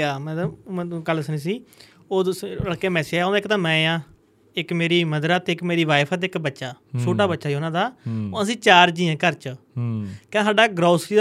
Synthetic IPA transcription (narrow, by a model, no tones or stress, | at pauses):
aːmɛ̃ːkələsəñiːs̬iː | oːəɽkːeːmɛːsaːõːd̪aːɪkt̪ãːmɛ̃ːjãː | ɪkmeːɾiːməd̪əɾaːt̪eːɪkmeːɾiːʋaːɪpʰət̪̬ːɪkbətːʃaːt͡ʃʰoːʈaːbətːʃaːioːnãːd̪aːoːəsĩːt͡ʃaːɾd͡ʒiːẽːkəɾt͡ʃ | kãːsaːɖaːɡɾaːsɾiː